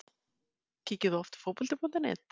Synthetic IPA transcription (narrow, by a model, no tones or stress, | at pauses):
cʰiːcɪðʏɔft̪fowpɔlt̪ɪpɔnt̪ɪnɪ̰t̪